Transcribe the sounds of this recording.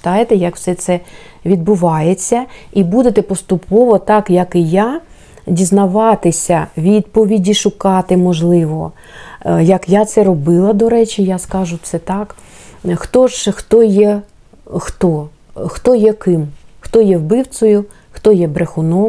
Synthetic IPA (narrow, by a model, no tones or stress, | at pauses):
t̪ɑjet̪ɛjɐkw̥sɛt̪sɛ | ʋʲid̪̚bʊʋɑjet͡sʲːɐibud̪et̪ɛpɔst̪ʊpʰɔʋɔt̪ɑkjɐkɪja | dʲiznɐʋɑt̪ɪsʲɐʋʲid̪̚pɔʋʲidʲiʃʊkɑt̪ɪmɔʒlˠɪʋɔ | jɐkjat̪sɛɾɔbɪlˠɐd̪ɔɾɛt͡ʃʲijaskɑʒʊt̪sɛt̪ɑk | xt̪ɔʒxt̪ɔjɛ | xt̪ɔ | xt̪ɔjɛkɪmxt̪ɔjɛwbɪw̪sɔjʊ | xt̪ɔjɛbɾexʊnɔ